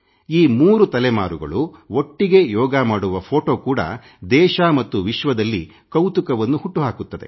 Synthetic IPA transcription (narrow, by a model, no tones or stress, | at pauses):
iːmuːɾut̪ɐlɛma̰ːɾuɡɐ̰ɭuo̞ʈːiɡe̞jɔːɡɐmaːɽuʋɐpʰoːʈo̞ːkuːɽɐ̰ | d̪ɛːʃɐmɐt̪ːuʋiʃʋɐd̪ɐlːi | kɐwt̪ukɐʋɐnːuhuʈːuɦaːkut̪ːɐd̪e̞̰